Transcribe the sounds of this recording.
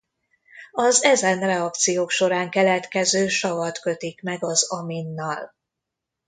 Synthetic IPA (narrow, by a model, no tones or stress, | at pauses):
ɒzɛzɛnrɛɒkt̪sijoːkʃo̞ɾaːŋkɛlɛt̪kɛzøːʃɒvɒt̪kø̞t̪ikmɛɡɒzɒminːɒl